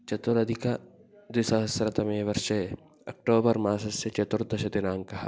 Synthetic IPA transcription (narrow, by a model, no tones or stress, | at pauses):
t͡ʃɐt̪ʊɾɐd̪ʱɪka | d̪ɪsɐɦɐsɾɐt̪ɐmẽːʋɐɾʃɐ | ɐ̰k̚ʈoːbəɾmaːsɐset͡ʃɐt̪ʊɾd̪ɐʃɐd̪ɪnaːŋkɐɦa